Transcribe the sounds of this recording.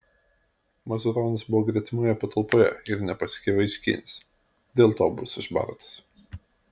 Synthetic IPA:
mɐzʲʊɾɔːnʲɐsbʊʋoːɡɾʲiɛt̪ʲɪmʲoːjɛpɐt̪ʰɐlˠpoːjɛ̰ɪɾnʲɛpɐsʲɪ̥kʲeʋɐɪʃʲkʲḭːnʲɪs | d̪ʲeːlˠt̪oːbʊsɪʒbɐ̰ɾt̪ɐ̥s

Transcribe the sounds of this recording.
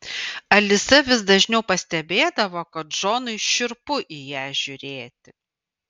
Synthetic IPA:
ɐlʲɪsɐʋʲɪsd̪ɐʒʲnʲɛʊpɐsʲt̪ʲɛbʲeːd̪ɐʋoːkɐt̪̚ʒ̥oːnʊɪʃʲɪɾpʊʔijæːʒʲʊɾʲeːt̪ʲɪ

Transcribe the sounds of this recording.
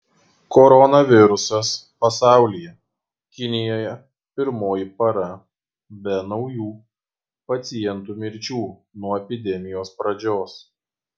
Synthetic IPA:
kɔɾɔnɐʋʲɪɾʊsɐspɐsɑˑʊlʲɪjɛ | kʲɪnʲɪjoːjɛ | pʲɪɾmoːjɪpɐɾɐ | bʲɛnɒʊjuː | pɐt̪sʲɪjɛnt̪uːmʲɪɾʲt͡ʃʲuːnuɔɛpʲɪd̪ʲɛmʲɪjoːspɾɐd͡ʒʲoːs

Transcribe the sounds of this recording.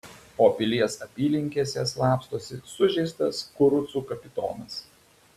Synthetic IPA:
oːpʲɪlʲiɛsɐpʲiːlʲɪŋʲkʲiɛsʲeːslˠɑːpst̪oːsʲɪsʊʒʲɛɪst̪ɐskʊɾʊt̪suːkɐpʲɪt̪o̰ːnɐs

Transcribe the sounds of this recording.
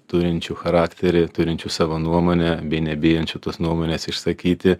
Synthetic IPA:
t̪ʊɾʲɪnʲt͡ʃʲuːxɐɾɑːkt̪ʲɛɾʲɪt̪ʊɾʲɪnʲt͡ʃʲusɑːʋonuɔmoːnʲɛbʲɛɪnʲɛbʲeːjɛnʲt͡ʃʲut̪oːsnuɔmoːnʲeːsɪʃsɐkʲiːt̪ʲɪ

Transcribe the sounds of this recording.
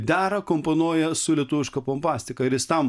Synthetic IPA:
d̪ʲæːɾɐkomponuɔjɛsʊlʲɛt̪uːʋʲɪʃkɐpompɑːsʲt̪ʲɪkɐɪɾjɪst̪ɐm

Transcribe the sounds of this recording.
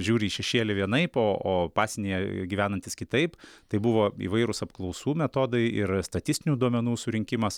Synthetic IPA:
ʒʲuːɾʲɪiʃʲɛʃʲeːlʲɪʋʲiɛnɐɪpoːʔoːpɑːsʲɛnʲejɛɡʲiːʋʲæːnɐnt̪ʲɪskʲɪt̪ɐɪpt̪ɐɪbʊʋoːḭːʋɐɪɾʊsɐpklˠɒʊsuːmʲɛt̪oːd̪ɐɪɪɾst̪ɐt̪ʲɪsʲt̪ʲɪnʲuːd̪uɔmʲɛnuːsʊɾʲɪŋʲkʲɪmɐs

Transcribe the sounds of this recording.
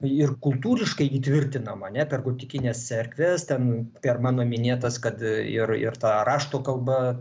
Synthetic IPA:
ɪrkʊlˠt̪uːɾʲɪʃkɐɪiːt̪ʲʋʲɪrʲt̪ʲɪnɐmɐɐnʲɛpʲɛrɡoːt̪ʲɪkʲɪnʲeːssʲɛɾʲkʲʋʲɛst̪ʲɛnpʲɛrmɑːnoːmʲɪnʲeːt̪ɐskɐt̪ɪɾɪ̰rt̪ɑːrɑːʃt̪oːkɐlˠbɐ

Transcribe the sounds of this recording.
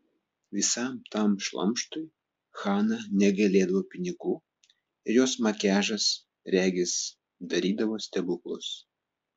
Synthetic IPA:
ʋʲɪsɐˑmt̪ɐˑmʃlˠɐ̰mʃt̪ʊɪ | xɑːnɐnʲɛɡɐlʲeːd̪ɐʋoːpʲɪnʲɪɡuː | ɪɾjoːsmɐkʲæːʒɐs | ɾʲæːɡʲɪs | d̪ɐɾʲiːd̪ɐʋoːsʲt̪ʲɛbʊklˠʊs

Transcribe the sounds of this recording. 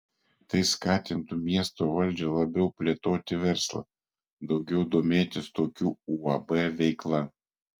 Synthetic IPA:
t̪ɐɪskɑːt̪ʲɪnt̪umʲiɛst̪oːʋɐlʲd͡ʒʲulˠɐbʲɛʊpʲlʲeːt̪oːt̪ʲɪʋʲɛɾslˠɐ̰ | d̪ɒʊɡʲɛʊd̪oːmʲeːt̪ʲɪst̪oːkʲuːuɐbɛʋʲɛɪklˠɐ

